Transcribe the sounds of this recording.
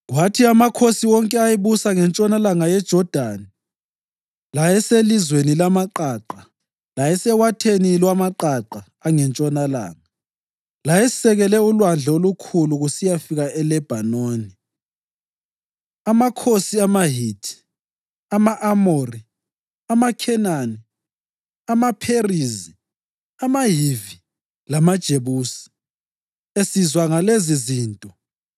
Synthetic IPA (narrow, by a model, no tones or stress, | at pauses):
watʰiamakʰosiwɔŋkʼɛajiβusaŋɛnt͡ʃʼɔnalaŋajɛd̥ʒ̥ʱɔd̥ʱani | lajɛselizwenilamaǃaːǃa | lajɛsɛwatʰenilwamaǃaǃaːŋɛnt͡ʃʼɔnala̰ːŋa | lajɛsɛɣɛlɛulwand͡ɮʱolukʰuluɣusijafiɣaɛlɛb̥ʱanoːni | amakʰosiamaɦitʰi̥ | amaʔamori | amakʰɛnani | amapʰerizi | amaɦivi | lamad̥ʒ̥ʱeβuːsi̥ | esizwaŋaleziziːntʼɔ